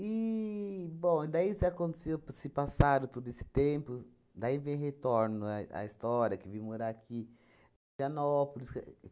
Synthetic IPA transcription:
i | bõw̃id̪aisɪakõnt̪e̥sewpsɪpasad̪ʊt̪od̪ʊesɪ̥t̪ẽmpʊ | d̪aivẽj̃het̪oɾnʊaɐ̰ist̪ɔɾjɐkɪvimoɾaakʰi | ɐnɔpʊlisk

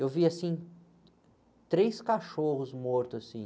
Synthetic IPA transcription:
ewviasĩ | t̪ɾejskaʃohʊzmoɾt̪ʊasĩ

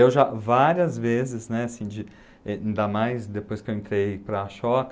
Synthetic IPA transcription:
ewʒavaɾiɐzvezɪznɛasĩd͡ʒɪ | ɛ̃d̪amajsd̪epojskewẽnt̪ɾejpɾɐːʃɔk

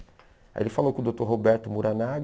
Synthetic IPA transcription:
a̰ḛlɪfalowkõʊd̪owt̪oɾɦobɛɾt̪ʊmuɾanaɡ

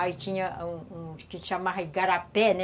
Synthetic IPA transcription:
ait͡ʃĩɲɐũũkɪʃamavɐiɡaɾapɛnɛ

